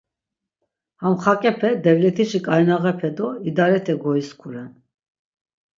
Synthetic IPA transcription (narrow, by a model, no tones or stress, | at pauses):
hamχakʼɛpʰɛd̪ɛvlɛt̪ʰiʃikʼajnaʁɛpʰɛd̪ɔid̪aɾɛt̪ʰɛɡɔiskʰuɾɛn